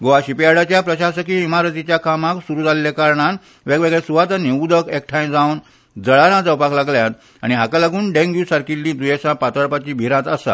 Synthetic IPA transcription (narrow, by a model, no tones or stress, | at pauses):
ɡoʋaɕipijaɽat͡ɕjapɾəɕaɕəkiimaɾət̪it͡ɕjakamaksuɾuːd͡zallekaɾɳan | ʋeɡʋeɡɭesuʋat̪aniud̪əkek̚ʈʰãj̃d͡zãwn | d͡zəɭaɾãt͡saupaklaɡljat̪ | a̰ɽ̃iɦakalaɡuːnɖẽŋɡjusaɾkilːĩd̪ujesãpat̪əɾpat͡ɕiːbʱiɾãt̪əsa̰